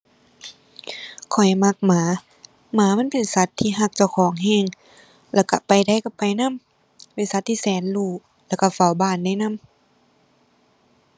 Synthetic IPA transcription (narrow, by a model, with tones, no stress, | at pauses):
kʰɔ˨˩jma˧˦k̚maː˨˦ | maː˨˧˦ma˧˥˨npe˨nsa˧˦t̪ʰːiː˧˨ɦa˧k̚t͡ɕa˧˩wkʰɔː˨˦ŋɦɛː˧˥˨ŋ | lɛː˧˩wka˧pa˨jda˧˩jka˧˩pa˨jna˧˥˨m | pe˧˨nsa˧˦t̪ʰːiː˧sɛː˨˦nluː˧˩ | lɛː˧˨wka˧˩fa˨˧˦wbaː˧˩˨nda˧˨jna˧˥˨m